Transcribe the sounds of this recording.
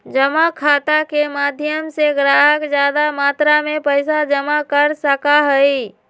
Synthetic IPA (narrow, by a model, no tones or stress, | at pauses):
d͡ʒəmakʰat̪akemad̪ʱjəmseɡɾaɦəkd͡ʒjad̪amat̪ɾamepəɪsad͡ʒəmakəɾsəkaɦəj